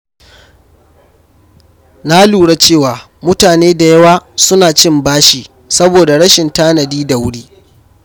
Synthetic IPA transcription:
na˦luː˨ɽa˦t͡ʃeː˦˨waː˨ | mʊ˦taː˨neː˦da˨jɐ˦waː˦sʊ˦naː˨t͡ʃɪ˦mbaː˦ʃiː˨ | sɐ˦boː˨da˨ɽɐ˦ʃɪ˨ntaː˦nɐ˨diː˦da˨wʊ˦ɽiː˦

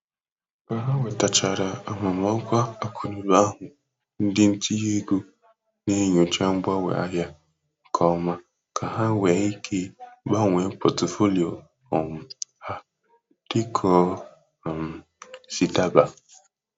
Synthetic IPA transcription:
ka˨ɦa˦we˨ta˨t͡ʃa˨ɾa˨a˨ma˨mɔ˦kʷa˦a˦kʰu˨nu˨ɾa˦a˦ɦʊ˨ | n̩˦dɪ˦n̩˦ti˦je˦ɡo˦ | ne˦ɲo˨t͡ʃa˦ŋ͡m̩˦ba˦wḛ˨a̰˦ɦja˦ | ŋ̩˨kʰɔ˨˦ma˨ | kʰa˨ɦa˦wɛ˨˦i˦kʰe˦ba˦˨ŋʷe˨m̩˦po˨to˨fo˦li˨o˨ | ɔ˨m̩˨ha˦ | d̥ɪ˦kʰɔ˦˨ | m̩˨ | si˨ta˦ba˨

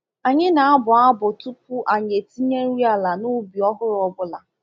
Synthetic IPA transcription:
a˨ɲɪ˦na˨a˦bʊ˨a˦bʊ˨tu˦pu˦ʔa˨ɲ˨e˨ti˦ɲe˦ɾi˦a˦la˨nʊ˦bi˨ɔ˦ɦʊ˦ɾɔ˨bʊ˦la˨

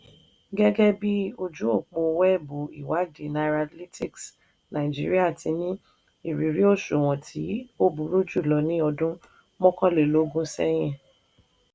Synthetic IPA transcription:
ɡɛ˦ɡɛ˦bi˦o˧d͡ʒũ˨˦o˦˨k͡po˧˨˧wɛ˦˨bo˨ḭ˨wa˨˦di˨na˨˧ɾa˧tli˦tʰi˦˨ks | nã˨i˨d͡ʒḭ˦ɾi˦a˦˨tʰi˧nĩ˦ | i˦˨ɾi˨ɾi˦o˦˨ʃu˨w̃ɔ̃˨tʰi˨˦o˦bu˨˦ɾu˦d͡ʒu˦˨lɔ˨˦nĩ˦ɔ˧dũ˦ | mɔ̃˦kɔ̃˦˨le˨lo˨˦ɡũ˦sɛ̰˦j̃ɛ̃˦˨

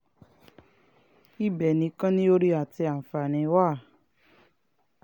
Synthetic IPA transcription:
i˦bɛ˨nĩ˧˦kã˦nĩ˦o˦ɾi˦a˨ti˧a˨fa˨nĩ˨˦wa˦˨

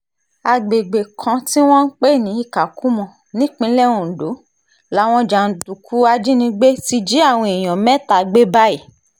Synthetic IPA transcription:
a˧ɡ͡be˨ɡ͡be˨kʰã˧ti˦w̃ɔ̃˦n̩˦k͡pe˦˨nĩ˨˦i˦˨ka˨ku˦mɔ̃˧˨ | nĩ˨˦k͡pĩ˧˦lɛ˦˨w̃ɔ̃˧˨n̩˨do˨˦ | la˨˦w̃ɔ̃˧d͡ʒa˨n̩˨˦tu˨kʰu˦a˧d͡ʒi˦nĩ˧ɡ͡be˦ti˧d͡ʒi˨˦a˦˨w̃ɔ̃˧i˨j̃ɔ̃˨mɛ̃˦ta˨˧ɡ͡be˦ba˦i˦˨

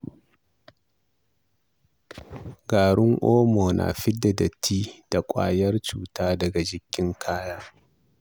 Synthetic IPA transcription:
ɡaː˨ɽʊ˦ŋʔoː˦moː˨nʔa̰˨ɸɪ˦dɐ˨dɐ˨tʰːiː˦d̥a˨kʷʼa̰ː˦jɐ˦rt͡ʃuː˨taː˦dɐ˨ɡa˨d͡ʒɪ˨kʲʰːɪ˦ŋkʰaː˦jaː˦

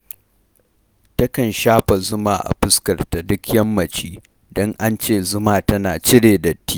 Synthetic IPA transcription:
tɐ˦kɐ˨nʃaː˦ɸa˨zʊ˦maː˦˨ʔa̰˨ɸɪ˦skɐ˨rta˨dʊ˦kjɐ˦mːɐ˨t͡ʃiː˦ | dɔ˦ŋʔa˦nt͡ʃeː˦˨zʊ˦maː˦tɐ˦naː˨t͡ʃɪ˦ɽeː˨dɐ˨tːiː˦

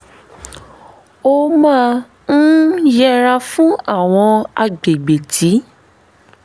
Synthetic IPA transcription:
o˦˧mã˦˧ | ñ̩˦jɛ˦ɾa˧fũ˦a˦˨w̃ɔ̃˧a˧ɡ͡be˨ɡ͡be˨tʰi˨˦

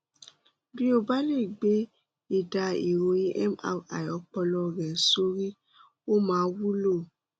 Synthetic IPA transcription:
bĩ˦o˦ba˦le˦˨ɡ͡be˨˦ | e˨da˧e˨ɾo˧ji˦ʔɛ˦ma̰˧a̰˨jɔ˨˦k͡pɔ˧lɔ˧ɾɛ˨so˦ɾi˦ | o˦mãː˨˦wu˦lo˦˨

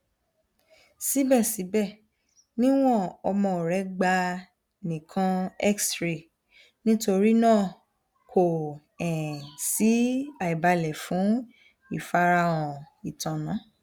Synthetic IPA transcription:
si˨˦bɛ˦˨si˨˦bɛ˦˨ | nĩ˦w̃ɔ̃˦˨ɔ˧mɔ̃˧o˨ɾɛ˨˦ɡ͡ba˧ | nĩ˨kʰã˧ɛ˦kstɾe˨ | nĩ˦to˧ɾi˦nãː˦˨ | kʰo˨ | ɛ̃˨si˨˦a˨i˨ba˧lɛ˨fũ˨˦ | i˦˨fa˧ɾa˧wɔ̃˨ | i˨tã˨nã˨˦

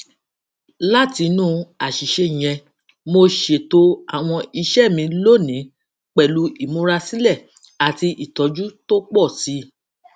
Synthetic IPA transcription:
la˦ti˧nũː˦˧a˨ʃi˨ʃe˧˨j̃ɛ̃˧ | mo˧ʃe˨to˧˦a̰˦˨w̃ɔ̃˧i˧ʃɛ˦˨mĩ˧lo˦˨nĩ˨˦ | k͡pɛ˨lu˧˦i˨mõ˧˦ɾa˧sĩ˦lɛ˦˨ | a˨ti˧ʔi˨tɔ˨˦d͡ʒu˦to˦k͡pɔ˦˨si˨˦

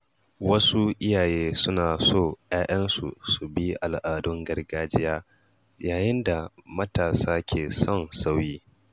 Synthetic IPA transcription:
wɐ˦su˦ʔɪ˦jaː˨jeː˦sʊ˦naː˨soː˦˨j̰aː˦ʔɐ˦nsṵ˨su˨bi˦ʔa˨lʔaː˨dʊ˦ŋɡɐ˦rɡaː˦d͡ʒɪ˦jaː˦ | jaː˨jɪ˦nda˨mɐ˦taː˨saː˦kʲʰeː˨sɔ˦nsa˦wjiː˦

